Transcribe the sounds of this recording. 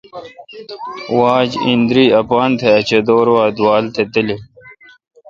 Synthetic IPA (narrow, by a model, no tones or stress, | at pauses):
waːd͡ʑind̪ɾiːɐpaːnt̪ʰeɐt͡ɕɐd̪oːɾwaːd̪waːlt̪ʰet̪ili